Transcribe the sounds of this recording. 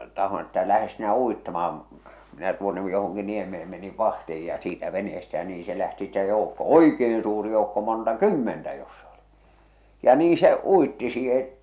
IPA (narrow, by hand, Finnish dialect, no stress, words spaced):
tɑhon etːæ læhes sinæ uitːɑmɑɑm minæ tuonːe johoŋki niemeem meniʋ ʋɑhtih̞ij jɑ siːtæ ʋeneestæ jæ niː se læhti ste joˑukːo oikeːn suːri joukːo montɑ kymːentæ josːɑ oli jɑ niː se uitːi siːhe